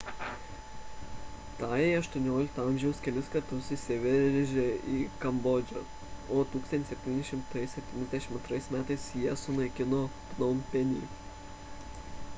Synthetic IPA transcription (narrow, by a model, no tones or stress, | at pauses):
t̪ɑːjɛɐʃt̪uɔnʲoːlʲɪk̚t̪ɐɑˑmʲʒʲɛʊskʲɛlʲɪskɐɾt̪ʊsɪsʲɪʋʲɛɾɾʒʲeiːkɐmbɔd͡ʒʲo̰ | oːt̪uːksɐnʲɪsʲɛp̚ʲt̪ʲiːnʲɛʃʲɪmt̪ɐɪsʲɛp̚ʲt̪ʲiːnʲɛzd̪ʲɛʃɪmɐnt̪ɾɐɪsmʲæːt̪ɐɪsjiɛsʊnɐɪkʲɪnoːpnɔmʲpʲɛnʲḭː